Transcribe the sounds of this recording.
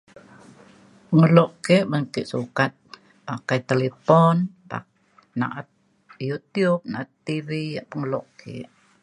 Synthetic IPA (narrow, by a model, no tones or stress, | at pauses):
pəŋəlɔʔkeʔbəŋkɪʔsukat̪̚ | pakajt̪elepɔnpa̰ | na̰ʔat̪̚ | jut̪iub̚naʔat̪ːivijaʔpəŋəlɔʔkʰḛʔ